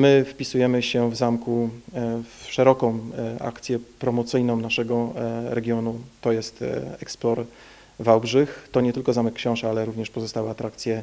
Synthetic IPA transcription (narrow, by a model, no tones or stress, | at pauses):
mɘfpʲisujɛmɘɕɛvzamku | fʂɛɾɔkɔ̃w̃a̰kt̪sʲjɛpɾɔmɔt̪sɘjnɔ̃w̃naʂɛɡɔɾɛɡʲjɔnut̪ɔjɛst̪ɛksplɔɾ | vawbʐɘxt̪ɔɲɛt̪ɘlkɔzamɛkːɕɔ̃w̃ʂɛalɛɾuvɲɛʂpɔzɔst̪awɘat̪ɾakt̪sʲjɛ